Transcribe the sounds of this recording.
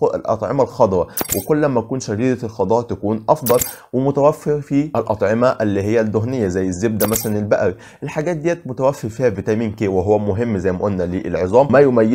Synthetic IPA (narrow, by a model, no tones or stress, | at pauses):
lʔɑ̰t̪ˤʕḛmælxɑd̪ˤɾˤɑwekolːæmːæækuːnʃædiːd̪ælxɑd̪ˤɑːʔt̪ækuːnʔɑfd̪ˤɑl | wemʊt̪æwæfːeɾfiʔælʔɑt̪ˤʕemæʔælːiːɦɪjːæd̪ːoɦnejːæzæjːezːeb̚d̪æmæsælænelbæʔæɾi | ʔelħaɡæːt̪̚d̪ijːæːt̪̚mot̪æwæfːeɾfiːhævit̪æmiːnkeːweɦowːæmoɦemːzæjmæʔolnæliːʔelʕezˤɑːmmæjomæjːe